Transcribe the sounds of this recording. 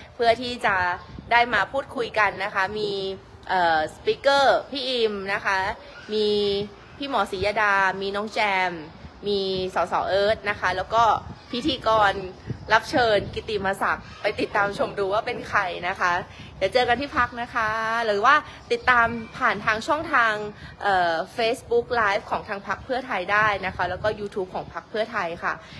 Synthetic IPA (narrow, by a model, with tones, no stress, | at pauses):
pʰɯ˥˩ɐt̪ʰiː˥˩t͡ɕa˨˩daː˥˩jmaː˧pʰuː˥˩t̪̚kʰu˧jka˧nːa˦˥kʰa˦˥miː˧ | ʔɤː˨˩spiː˦˥kɤː˥˩pʰiː˥˩ʔi˧mna˦˥kʰa˦˥ | miː˧ | pʰiː˥˩mɔː˩˦siː˩˦jaː˧daː˧miː˧nɔː˦˥ŋt͡ɕɛː˧mːiː˧sɔː˩˦sɔ̰ː˩˦ʔɤː˦˥t̪̚na˦˥kʰa˦˥lɛː˦˥wkɔː˥˩pʰi˦˥t̪ʰiː˧kɔː˧nla˦˥p̚t͡ɕʰɤː˧nki˨˧t̪i˨˩maː˧sa̰˨˩k̚pa˧jt̪i˨˩t̪ːaː˧mt͡ɕʰo˧˩mduː˧waː˥˩pe˧nkʰa˧jna˦˥kʰa˦˥jaː˨˩t͡ɕɤː˧ka˧nt̪ʰiː˥˩pʰa˦˥k̚na˦˥kʰa˦˥lɯ˩˦waː˥˩ | t̪i˨˩t̪ːaː˧mpʰaː˨˩nt̪ʰaː˧ŋt͡ɕʰɔ˥˩ŋt̪ʰaː˧ŋʔɤː˨˩feː˦˥sbu˦˥k̚laː˦˥jp̚kʰɔː˩˦ŋt̪ʰaː˧ŋpʰa˦˥k̚pʰɯ˥˩ɐt̪ʰa˧jdaː˥˩jna˦˥kʰa˦˥lɛː˦˥wkɔː˥˩juː˧t̪ʰuː˦˥p̚kʰɔː˩˦ŋpʰa˦˥k̚pʰɯ˥˩ɐt̪ʰa˧jkʰa˥˩